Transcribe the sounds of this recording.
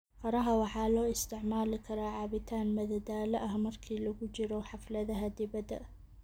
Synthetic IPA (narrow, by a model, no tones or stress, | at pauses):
fɐɾɐɦɐwɑħɑːlɔːɪst̪ʰɪʕmaːlɪkʰɐɾaːʕɑːβɪt̪ʰaːnmɐðɐd̪aːlɐʔɐhmɐrkʰiːlɐɣʊt͡ʃɪɾɔħɑflɐðɐɦɐd̪ɪβɐd̪ɐ̰